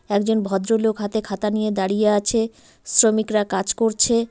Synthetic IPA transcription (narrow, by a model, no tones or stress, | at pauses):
ɛkd͡ʑonbʱɔd̪ɾolokɦat̪ekʰat̪anijed̪aɽijeat͡ɕʰe | sɾomikɾakad͡ʑkoɾt͡ɕʰe